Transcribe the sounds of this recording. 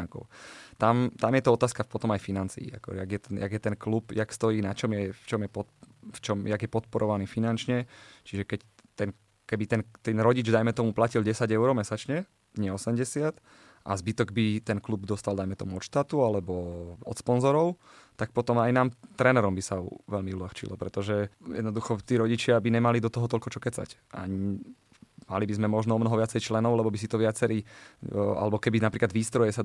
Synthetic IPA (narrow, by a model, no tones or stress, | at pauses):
ŋkɔ̰ʊt̪amt̪amjɛt̪ɔɔt̪aːskapɔt̪ɔmajfinant͡sḭːa̰kɔ̰jaɡjɛt̪ɛnja̰ɡjɛt̪ɛnklupjakst̪ɔjiːnat͡ʃɔmjɛft͡ʃɔmjɛpɔt̪ft͡ʃɔmjaɡjɛpɔt̪̚pɔɾʔɔʋaniːfinant͡ʃɲɛt͡ʃiʒɛkɛc | t̪ɛn | kɛbit̪ɛnt̪ɛnɾɔɟid͡ʒd̪ajmɛt̪ɔmuplacilɟɛsaɟɛʊɾɔmɛsat͡ʃɲɛ | ɲɛɔsɛmɟɛsɪat̪ | ʔa̰zbit̪ɔɡbit̪ɛnklubd̪ɔst̪ald̪ajmɛt̪ɔmuɔt̪ʃt̪at̪ualɛbɔɔ̰t̪spɔnzɔɾɔʊ | t̪ak̚pɔt̪ɔmajnaːmt̪ɾɛnɛɾɔmbisaṵʋɛlmiuʎaxt͡ʃḭlɔ̰pɾɛt̪ɔʒɛjɛd̪nɔd̪uxɔt̪iːɾɔɟit͡ʃɪabiɲɛmalid̪ɔt̪ɔɦɔt̪ɔlkɔt͡ʃɔkɛt͡sa̰ca̰ɲi | malibizmɛmɔʒnɔɔmnɔɦɔʋɪat͡sɛjt͡ʃlɛnɔʊlɛbɔbis̬it̪ɔʋɪat͡sɛɾiː | a̰lɛbɔkɛbinapɾiːklad̪ʋiːst̪ɾɔjɛsa